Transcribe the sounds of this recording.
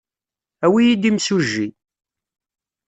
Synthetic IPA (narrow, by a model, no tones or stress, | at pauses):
æwijid̪imsuʒːi